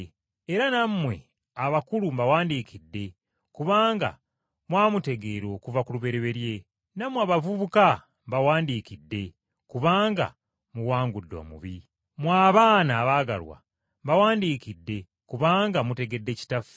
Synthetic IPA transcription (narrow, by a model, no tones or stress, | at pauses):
eɾanammwe̞̰ | aβakulumbawaːndikidːe̞ | kuβaːŋɡa̰ | mwaːmute̞ɡe̞ɾo̞ːkuvakuluβe̞ɾeβe̞ɾje̞ | namwaːβavuβuka | mβawaːndikidːe̞ | kuβaːŋɡa̰ | muwaːŋɡudːo̰ːmṵβi | mwaːβaːnaːβaːɡa̰lwa̰ | mbawaːndikidːe̞ | kuβaːŋɡamute̞ɡe̞dːe̞ci̥tafu̥